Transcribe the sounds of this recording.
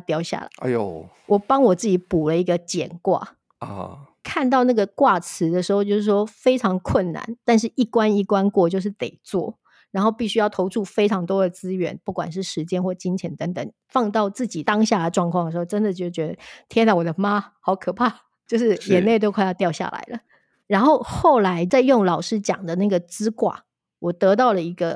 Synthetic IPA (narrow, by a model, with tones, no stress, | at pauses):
t̪jɑ˥˧ʊɕja̰˥˩lə̰˩ɪ˧jo˨ | wʔɔ˨˩pɑ˥ŋwɔ˨˩t͡s̩˥˩t͡ɕi˧˥pu˨˩lə˦i˧˥ɡə˧t͡ɕjɛ˨˩nkwa̰˥˩ | kʰa˥˧nt̪̬ɑ˥˧ʊna˥˩ɡə˩kwa˥˩t͡sʰɹ̩˧˥d̪ə˧˨ʂɻ̩˧˥xo˥˧t͡ɕjo˥˧ʊʂɻ̩˥˩ʂwɔ˥fe˥ɪʈ͡ʂʰɑ˧˥ŋkʰwə˥˩nna̰˧˦nt̪a˥˧nʂ̬ɻ̩˥˩ʔi˥˩kwa˥ni˥˩kwa˥nkwɔ˥˧t͡ɕjo˥˧ʊʂ̬ɻ̩˥˩t̪ḛ˨˩ɪt͡swɔ̰˥˩ | ɻa˧˥nxo˥˧ʊpi˥˩ɕy˥jɑ˥˩ʊt̪ʰo˧˥ʊʈ͡ʂʰu˥˩fe˥ɪʈ͡ʂʰɑ˧˥ŋt̪wɔ˥d̪ə˨t͡sɹ̩˥ɥɛ̰˧˥npu˥˩kwa̰˨˩nʂɻ̩˥˩ʂɻ̩˧˥t͡ɕjɛ˥nxwɔ˥˩t͡ɕi˥ŋt͡ɕʰjɛ˧˥ŋt̪ə˧˦ŋt̪ə˨˩ŋ | fɑ˥˧ŋt̪ɑ˥˧ʊt͡sɹ̩˥˩t͡ɕi˨˩t̪ɑ˥ŋɕja˥˩d̪ə˩ʈ͡ʂwɑ˥˧ŋkʰwɑ˥˩ŋə˩ʂ̩˧xo˥ʊʈ͡ʂə˥nd̪ə˨˩t͡ɕo˥˧˥ʂ̩˥˩t͡ɕɥɛ˧d̪ə˧t̪ʰjɛ˥nla˧˩wɔ˨˩d̪ə˦ma˥xɑ˧˥ʊkʰɤ˨˩pʰa˥˩ | t͡ɕjo˥˧ʊʂ̬ɻ̩˥˩jɛ˨˩ne˥˧ɪo˥˧kʰa˥˧ɪjɑ˥˧t̪jɑ˥˧ʊɕja̰˥˩la̰˧˥ɪlə̰˦ | ɻa˧˥nxo˥˧ʊxo˥˩ʊla˧˥ɪt͡sa˥˧ɪjʊ˥˩ŋlɑ˨˩ʊʂɻ̩˥t͡ɕjɑ̰˨˩ŋd̪ə˦na˥˩ɡə˩t͡sɹ̩˥kwa̰˥˩ | wɔ˨˩t̪ɤ˧˥t̪ɑ˥˩ʊlə˩i˧˥ɡə˧